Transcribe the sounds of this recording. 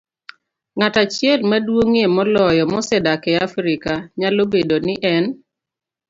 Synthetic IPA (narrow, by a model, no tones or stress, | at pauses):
ŋatat͡ʃjɛlmadwoŋemɔlɔjɔmɔsɛdakɛafɾikaɲalobedonɪʔɛn